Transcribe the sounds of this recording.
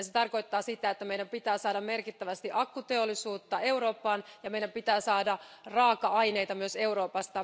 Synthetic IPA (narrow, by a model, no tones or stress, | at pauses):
ɑset̪ɑrko̞jt̪ːɑːsit̪æet̪ːæme̞jɾæmpit̪æːsɑːdɑmme̞rkit̪ːæʋæst̪iʔɑkːut̪eolːˑisuːt̪ːɑe̞uɾo̞ːpːɑːnjɑmejɾæmpit̪æːsɑːdɑrɑːkɑɑjne̞jt̪ɑmyøse̞uɾo̞ːpɑst̪ɑ